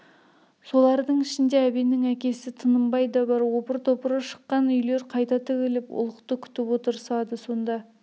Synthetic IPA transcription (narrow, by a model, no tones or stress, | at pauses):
so̞lˠɑɾd̪əɴɪʃɪnd̪e̞æbenɪŋækʲe̞sɪt̪ʰənəmbɑjd̪ɑbɑɾwo̞pəɾt̪ʰopəɾəʃə̥qːɑnʏjle̞ɾqʰɑjt̪ɑt̪ʰɪkʲelɪpʊ̰lˠəqt̪əkʲʰʏ̥t̪ɪpwo̞t̪əɾsɑd̪əso̞nd̪ɑ